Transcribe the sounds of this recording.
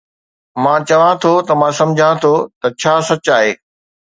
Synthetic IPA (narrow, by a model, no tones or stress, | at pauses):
mãːt͡ɕɐʋãt̪ʰot̪ɐmãːsɐ̃md͡ʑʱãt̪ʰot̪ɐt͡ɕʰaːsɐt͡ɕaːɦeː